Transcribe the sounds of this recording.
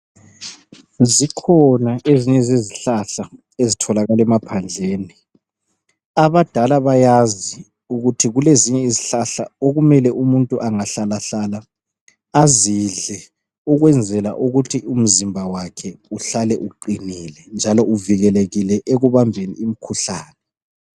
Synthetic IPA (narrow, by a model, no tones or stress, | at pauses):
zikʰɔnaʔeziɲɛzeziɬaɬa | ezitʰɔlaɣalɛmapʰand͡ɮʱeːni | aβad̥ʱalaβajazi | uɣutʰiɣuleziɲɛiziɬaɬaoɣumɛlɛʔumuntʼuʔaŋaɬalaɬalaː | ziɮɛ | uɣwɛnd͡zʱɛla̰ʔuɣutʰium̩zimbʱawakʰɛuɬalɛʔuǃinilɛnd͡ʒʱalɔuviɣɛleɣilɛʔeɣuβambʱenḭːmikʰuɬaːnɛ